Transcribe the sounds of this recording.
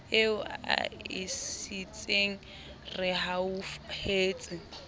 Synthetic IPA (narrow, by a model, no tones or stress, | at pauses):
eʊa̰ɪ̰sit͡sʼeŋ̩ | rɪɦaufheːt͡sʼɪ